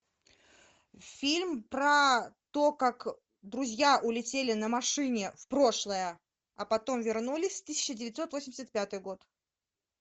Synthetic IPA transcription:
fʲilʲmpɾət̪o̞kak | d̪ɾʊzʲjaʔʊlʲɪtʲelʲɪnəmɐʂɨnʲɪfpɾo̞ʂlˠəjə | ɐpɐt̪o̞mvʲɪrnulʲɪsʲft̪ɨsʲɪ̥t͡ɕːɪdʲɪvʲɪt̪ʲso̞t̪vosʲɪmʲɪsʲət̪̚pʲat̪ɨjɡo̞t̪

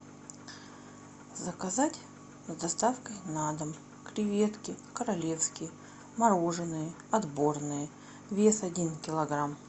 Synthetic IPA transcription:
zəkɐzatʲ | zd̪ɐst̪afkəjnad̪əm | kɾʲɪvʲe̞t̪kʲɪkəɾɐlʲe̞fskʲɪj | mɐɾoʐɨnɨjə | ɐd̪bo̞rnɨjə | vʲesɐdʲinkʲɪlˠɐɡɾam

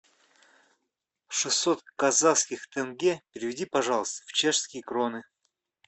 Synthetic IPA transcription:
ʂɨsːot̪kɐzafskʲɪxt̪ɛnɡʲepʲɪɾʲɪvʲɪdʲipɐʐɑlˠəst̪əft͡ɕeʂskʲɪjəkɾonɨ

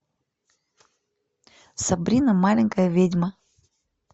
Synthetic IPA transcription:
sɐbɾʲinɐmalʲɪŋʲkəjəvʲedʲmə

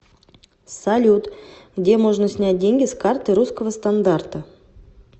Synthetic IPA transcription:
salʲut̪ɡdʲe̞moʐnəsʲnʲat̚ʲdʲeŋʲɡʲɪskart̪ɨɾuskəvəst̪and̪art̪ə

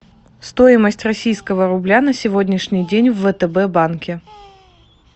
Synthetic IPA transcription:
st̪ojɪməsʲtʲrɐsʲijskəvəɾʊblʲanəsʲɪvodʲnʲɪʂnʲɪjdʲenʲvːət̪ɛbɛbankʲɪ

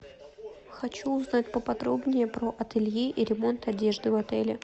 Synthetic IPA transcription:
xɐt͡ɕuːznatʲpəpɐd̪ɾo̞bnʲɪjəpɾoʔɐt̪ɨlʲjiʔiɾʲɪmo̞nt̪ɐdʲe̞ʐd̪ɨvɐt̪ɛlʲɪ

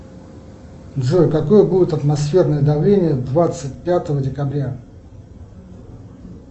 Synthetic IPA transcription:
d̪ʐɨkɐko̞jəbudʲɪt̪ɐt̪mɐsfʲe̞rnəjəd̪ɐvlʲenʲɪjəd̪vat̪sɨt̚ʲpʲat̪əvədʲɪkɐbɾʲa

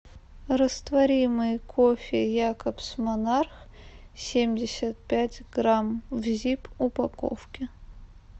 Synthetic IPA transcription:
rəst̪vɐɾʲimɨjkʰofʲɪjakəpsmɐnarx | sʲemʲdʲɪsʲət̪̚pʲætʲɡramvzʲipʊpɐko̰fkʲɪ

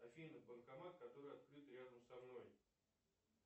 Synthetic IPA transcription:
ɐfʲijnɨxbənkɐmat̪̚kɐt̪o̞ɾɨjɐt̪kɾɨt̪ɾʲad̪əmsɐmno̞j

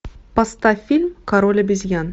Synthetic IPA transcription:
pɐst̪ɑfʲilʲmkɐɾolʲɪbɪzɡʲæn

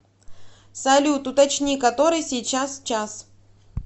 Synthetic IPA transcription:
sɐlʲut̪ʊt̪ɐt͡ɕnʲikɐt̪o̞ɾɨjsʲijt͡ɕast͡ɕas

